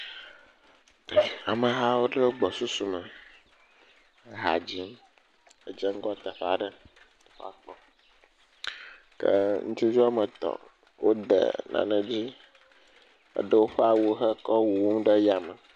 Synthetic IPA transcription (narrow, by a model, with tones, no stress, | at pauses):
e˨a˨mə̃˨ɦa˦wo˦ɖə˦wo˦ɡ͡bɔ˨su˦su˨mə˨˦ | ɦa̰˨d͡ʑi˦m | ə˨d͡ʒə˦ŋ˦ɡɔ˦t̪ə˨ɸa̰˨ɖə˦˨ | ɸa̰˦˨k͡pɔ˦ | kə̰˦ŋũ˦t͡ʃi˦d͡ʒu˦a˦mə˨t̪ɔ̰˨ | wʔo˦d̪ḛ˨nã̰˨nə̃˨d͡ʑi˦ | ə̰˦ɖə˦wo˦ɸɛ˦a˨wo˨xə˦kɔ˦wu˨wo˦mɖə˦ja˨mə˨